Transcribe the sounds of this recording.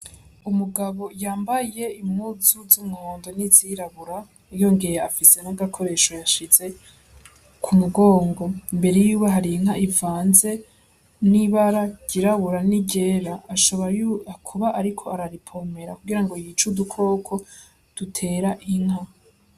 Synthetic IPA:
umuɡaβo̞jaːmbaje̞imuzuzumŋoːndo̞niziɾaβuɾa | ijo̞ŋɡejeafise̞naɡakʰo̞ɾe̞ːʃo̞jaʃize̞ | kʰumuɡo̞ːŋɡo̞imbe̞ɾe̞juːβaɦaɾiŋhaʔivaːnze̞ | niβaɾaɟ̥iɾaβuɾaniɟe̞ːɾaːʃoβojuakʰuβaʔaɾikʰo̞aɾaɾipʰo̞me̞ɾakuɡiɾaŋɡo̞jit͡ʃudukʰo̞ːkʰo̞ | d̥utʰe̞ːɾaʔiŋ̥ha

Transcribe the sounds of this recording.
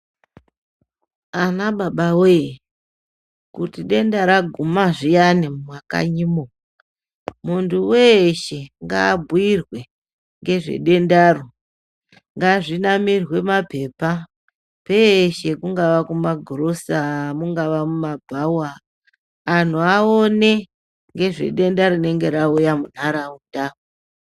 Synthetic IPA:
anaɓaɓawe | kutiɗe̞ndaɾaɡʱumaʐijanimmwaka̰ɲimo | muntʰuweʃe̞ŋɡa̰ːbʱuirwe̞ | ŋɡe̞ʐe̞̰ɗe̞ndaro | ŋɡaʐinamirwe̞mape̞pa | pe̞ʃe̞kuŋɡaʋakumaɡʱoɾosamuŋɡaʋamumabʱawaː | n̤uaone̞ | ŋɡe̞ʐe̞̰ɗe̞ndaɾine̞ŋɡe̞ɾaujamun̤aɾauta

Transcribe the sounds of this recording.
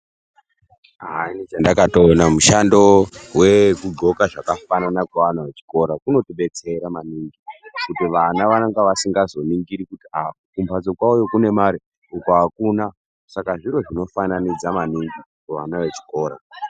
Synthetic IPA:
aainit͡ʃandakatonamuʃandowe̞kuɡo̞kaʐakafananakaʋanaʋe̞t͡ʃi̥ko̞ɾakuno̞tiɓe̞t͡se̞ɾamaniŋɡikutiʋanaʋaaŋɡaʋasiŋɡazo̞niŋɡiɾikutiakumbʰʱad͡zo̞kwaujokune̞maɾi | ukaakuːna | sakaʐiɾo̞ʐino̞fananid͡zamaniŋɡi | kaʋanaʋe̞t͡ʃi̥ko̞ːɾa̰

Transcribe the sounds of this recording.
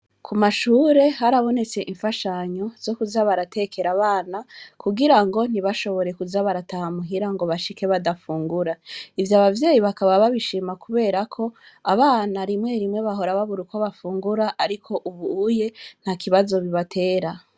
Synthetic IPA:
kʰumaʃuːɾe̞ɦaɾaβo̞ne̞t͡se̞ʔiɱfaʃaɲo̞z̥o̞kuzaβaɾate̞ke̞ɾaβaːnakʰuɡiɾaŋɡo̞n̥iβaʃo̞βo̞ɾe̞kuzaβaɾatahamuɦiɾaŋɡo̞βaʃike̞βadafuːŋɡuɾaivjaβavje̞ːjiβakaβaβaβiʃiːmakuβe̞ːɾakʰo̞ | aβaːnaɾimŋe̞ɾimŋe̞βaɦo̞ɾaβaβuɾuko̞βafuːŋɡuɾaʔaɾikʰo̞ʔuβuje̞n̥hakiβazo̞βiβatʰe̞ːɾa

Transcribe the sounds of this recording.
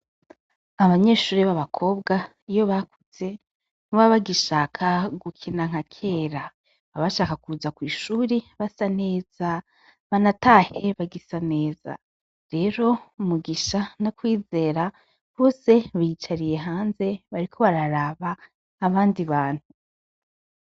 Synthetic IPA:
aβaɲe̞ʃuːɾiβaβakʰo̞ːbɡa | ijo̞βakut͡se | nuβaβaɡiʃaːkʰaɡukʰinaŋ̥hakʰeːɾa | βaβaʃaːkakuzakwiːʃuːɾiβasane̞ːz̥a | βanatahe̞βaɡisane̞ːz̥a̰ | ɾe̞ɾo̞umuɡiʃanakwiːze̞ːɾa | βo̞ːse̞βiːt͡ʃaɾije̞ɦaːnze̞βaɾikʰo̞βaɾaɾaβaː | βaːndiβaːn̥hu

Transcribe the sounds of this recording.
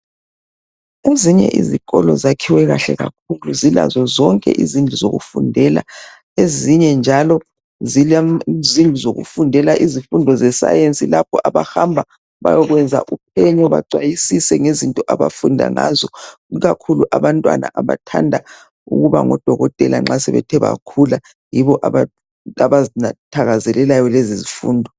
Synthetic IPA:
eziɲɛ̰ʔḭziɣɔlɔzakʰiwɛɣaɬɛɣak̚ʰuluzila̰zɔzɔŋkʼɛ̰ʔizind͡ɮʱuzoɣṵfundʱɛla̰ | eziɲɛnd͡ʒʱalɔ | zilzind͡ɮʱuzoɣṵfundʱɛlaʔizifundʱɔzɛsa̰jent͡sʼilap̚ʰɔʔaβahambʱa | βa̰jɔɣwɛnd͡zʱa̰ʔupʰɛɲɔβaǀwajisisɛŋezintʼɔʔaβa̰fundʱa̰ŋazɔ | iɣakʰuluʔaβantʼwa̰na̰ʔaβa̰tʰandʱa | ṵɣuβa̰ŋɔd̥ʱɔɣɔtʼɛla̰ŋ͡ǁasɛβɛ̰tʰɛβa̰kʰula | jiβɔʔaβa | aβazinatʰaɣazɛlɛlajɔlezizifṵːndʱɔ

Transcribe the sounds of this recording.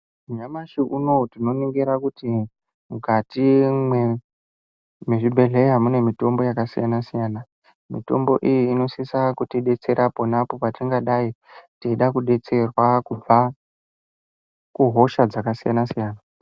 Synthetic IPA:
muɲamaʃiʔuno̞tino̞niŋɡeɾakuti | muɡʱatimwe | meʐibʱe̞ɮe̞amune̞mito̞mbo̞jakasijanasijaːna | mito̞̰mbo̞̰ʔijiːno̞sisakutiɗe̞t͡se̞ɾʔapo̞napopatiŋɡaɗaitiiɗakuɗe̞t͡se̞rwakub͡va | kuɦo̞ʃad͡zakasija̰nasijaːna

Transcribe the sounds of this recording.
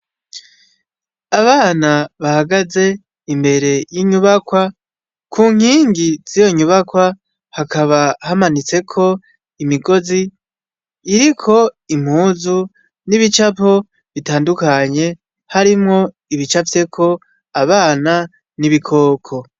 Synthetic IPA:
aβaːnaβahaɡaze̞ | imbe̞ɾe̞jiɲuβakwa | kʰuːŋ̥iːŋɡiz̥ijo̞ɲuβakwa | hakaβahamanit͡se̞kʰo̞ | imiɡo̞ziː | ɾikʰo̞im̥huːzu | niβit͡ʃapo̞ | βitaːndukaɲe̞ | haɾimŋo̞ | iβit͡ʃavje̞kʰo̞ | aβaːna | niβikʰo̞ːkʰo̞

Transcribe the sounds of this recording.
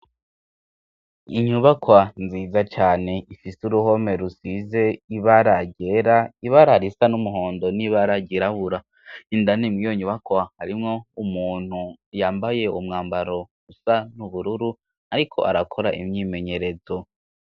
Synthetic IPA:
iɲuβakwanziːzat͡ʃaːne̞ifisuɾuɦo̞me̞ɾusize̞iβaɾaɟe̞ɾaiβaɾaɾisanumuɦo̞ːndo̞niβaɾaɟiɾaβuɾa | indanimŋijo̞ɲuβakwahaɾimŋo̞umuːn̥hujaːmbaje̞umŋaːmbaɾo̞ | usanuβuɾuɾu | aɾikʰo̞̰ʔa̰ɾakʰo̞ɾaʔḭmɲime̞ɲe̞ɾe̞zo̞

